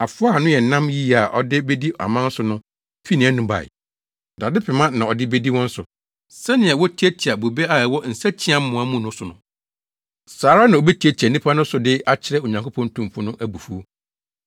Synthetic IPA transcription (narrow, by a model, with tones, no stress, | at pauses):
a˨fʊ˦a˦˨nʊ̃˦jɛ˨n̩˨nã˦mji˦a˨ʔɔ̰˨dɪ˦be˦di˦a̰˨mã˦n̩˦sʊ˨nʊ̃˦ | fi˦nĩ˨æ˦nũ˦ba̰˨ɪ̰˨ | da˨dɪ˦pʰɛ˨mã˦nã˨ɔ˨dɪ˦be˦di˦wɔ̃˦n̩˦sʊ˨ | sɛ˦nɪ̃˨a˨wɔ˦tʰi˦æ˦tʰi˨a˨bo˨be˦a˨ɛ˨wɔ˦n̩˨sæ˦t͡ɕʰi˦ã˦m˦mʊ̃˨a˦mʊ̃˦nʊ̃˦sʊ˨nʊ̃˨ | saː˨ɾa˦nã˨o˨be˦ti˨æ˦ti˨a˨nĩ˦pʰa˦nʊ̃˦sʊ˨dɪ˦a˦t͡ɕʰɪ˦ɾɛ˦˨o˨ɲã˨ŋkʰo˦pʰɔ̃˦ntʰũ˦m˨pʰʊ̃˦nʊ̃˦ʔæ˨bu˨fu˦o˦